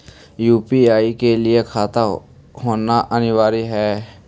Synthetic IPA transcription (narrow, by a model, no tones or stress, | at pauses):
juːpiaːikelɪekʰaːt̪a | ɦoːnaʔənɪʋaːɾiɦɛː